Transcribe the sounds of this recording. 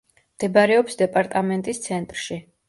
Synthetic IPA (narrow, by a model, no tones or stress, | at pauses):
md̪̥ɛbaɾɛɔpsd̪ɛpʼaɾt̪ʼamɛnt̪ʼist̪sʰɛnt̪ʼɾʃi